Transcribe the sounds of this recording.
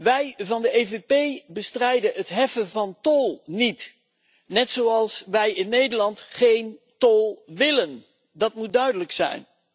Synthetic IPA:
ʋɛjvɑndəevepejbəstrɛjdənətɦɛfənvɑntɔlˠnit | nɛtsoɑlˠsʋɛjɪnːejdəlɑntχejntɔlˠʋɪlən | dɑtmut̚dœɥdələksɛ̰jn

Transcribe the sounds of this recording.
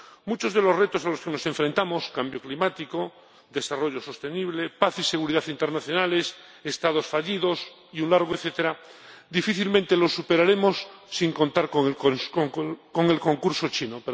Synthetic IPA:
mut͡ʃo̞zð̞e̞lo̞zre̞t̪osaloskeno̞sẽ̞ɱfɾent̪amo̞skambjo̞klimat̪iko | d̪e̞saro̞ʎo̞so̞st̪e̞niβlepaθise̞ɣ̞uɾiðaθint̪eɾnaθjo̞nale̞s | est̪að̞o̞sfaʎiðo̞s | iunlaɾɣ̞oeθet̪eɾad̪ifiθilmẽnt̪elo̞sːupe̞ɾaɾe̞mo̞sːiŋko̞nt̪aɾko | ko̞ŋe̞lko̞ŋkuɾso̞t͡ʃinope

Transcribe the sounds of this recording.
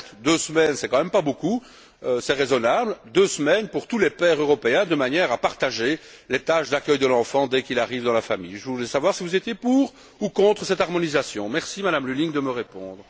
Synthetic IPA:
d̪øsəmɛnsɛkɑ̃mɛmpaboku | øsɛʁezɔnabld̪øsmɛnpuʁt̪ulɛpɛʁøʁɔpeɛ̃d̪əmanjɛːʁapaʁt̪aʒe | let̪aʃd̪akʲœjd̪əlɑ̃fɑ̃d̪ɛkilaʁivd̪ɑ̃lafamḭjʒəvuulɛsavwaʁsivuzet̪jepuːʁ | ukɔ̃t̪χəsɛt̪aʁmɔnizasjɔ̃mɛʁsimad̪amlyliŋd̪əməʁepɔ̰̃d̪ʁə

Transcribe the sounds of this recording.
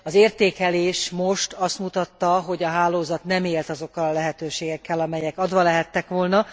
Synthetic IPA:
ɒzeːrt̪eːkɛleːʃmo̞ʃt̪ɒst̪mut̪ɒt̪ːɒɦo̞ɟɒɦaːloːzɒt̪nɛmeːlt̪ɒzo̞kːɒlɒlɛɦɛt̪øːʃeːɡɛkːɛlɒmɛjɛkɒd̪ʋɒlɛɦɛt̪ːɛkʋo̞lnɒ

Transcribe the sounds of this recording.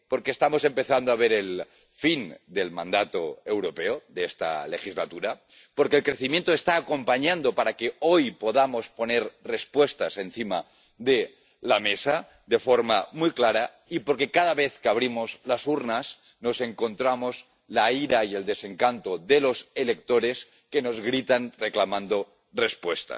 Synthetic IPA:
po̞ɾke̞ːst̪amo̞se̞mpe̞θand̪oaβ̞e̞ɾel | find̪e̞lmãnd̪at̪o̞ewɾo̞pe̞oðest̪a̰le̞xizlat̪uɾa | po̞ɾkeːlkɾe̞θimjent̪oe̞st̪aːko̞mpaɲãnd̪o̞paɾakeo̞jpo̞ðamo̞spo̞ne̞ɾre̞spwe̞st̪ase̞nθima | ðe̞ | lamesa | ðe̞fo̞ɾmamujklaɾa | ipo̞ɾke̞kaðaβe̞θkeaβ̞ɾimo̞zlasuɾnas | no̞se̞ŋko̞nt̪ɾamo̞z | laiɾaie̞ld̪ese̞ŋkant̪oðe̞lo̞se̞le̞k̚t̪o̞ɾe̞s | ke̞no̞zɣɾit̪anreklamãnd̪o̞ | re̞spwe̞st̪a̰

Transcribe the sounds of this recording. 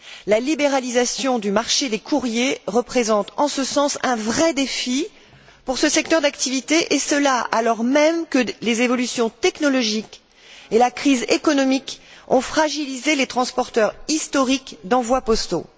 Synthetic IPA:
lalibeʁalizasjɔ̃d̪ymaʁʃed̪ekʰuʁjeʁəpχezɑ̃t̪ɑ̃səsɑ̃sɛ̃vʁɛd̪efi | puʁsəsɛk̚t̪œʁd̪akt̪ivit̪eʔesəlaʔalɔʁmɛmkəlezevɔlysjɔ̃t̪ɛknɔlɔʒik | elakχizekɔnɔmikɔ̃fχaʒilizelet̪χɑ̃spɔʁt̪œʁist̪ɔʁikd̪ɑ̃vwapɔst̪o̰

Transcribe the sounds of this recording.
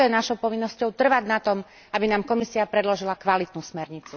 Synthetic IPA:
ɔjɛnaʃɔʊpɔʋinːɔscɔʊt̪r̩ʋaɟnat̪ɔm | ʔabinaːmkɔmisiapɾɛd̪lɔʒilakʋalit̪nusmɛɾɲit͡su

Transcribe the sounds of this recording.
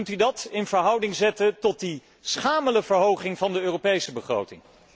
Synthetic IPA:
ntydɑtɪnv̥əɹɦʌwdɪŋzɛtəntɔt̚di | sχaːmələvəɹɦowχɪŋvɑndəøːropejsəbəχro̰wtɪŋ

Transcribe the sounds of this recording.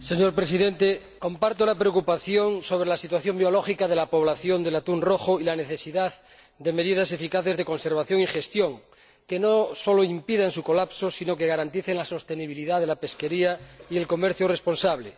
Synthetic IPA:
se̞ɲoɾpɾesiðent̪e | ko̞mpaɾt̪olapɾeokupaθjo̞ŋso̞βɾelasit̪waθjo̞mbjoloxikaðe̞lapo̞β̞laθjo̞nd̪e̞lat̪unroxoilaneθe̞siðað | d̪eme̞ðiðase̞fikaθe̞zðeko̞nseɾβ̞aθjoŋixe̞st̪joŋ | kenosoloimpiðaẽnsuko̞lapsosinokeɣaɾant̪iθeŋlaso̞st̪eniβ̞iliðaðelape̞skeɾiaielko̞meɾθjorespo̞nsaβle

